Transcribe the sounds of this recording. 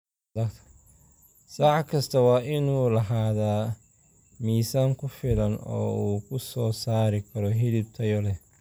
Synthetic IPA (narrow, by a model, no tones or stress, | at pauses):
dɐkt̪ʰɐ̥ | saʕkʰɐst̪ʰɐwɑːʔɪnuːlɐɦaːðaː | miːsaːŋkʰʊfɪlɐnɔ̰ːuːkʰʊsɔːsaːɾɪkʰɐɾɔɦɪlɪbt̪ʰɐjɔlɛ